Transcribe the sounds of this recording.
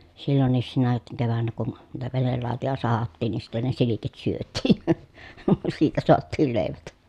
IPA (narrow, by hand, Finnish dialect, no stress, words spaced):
silːonːiːs sinæ keʋænːæ kun niːtæ ʋenelːɑˑotojɑ sɑhɑtːiːn ni sitːen ne silikit syøtˑiːn̞ siːtæ soɑtːiːl leˑiʋæt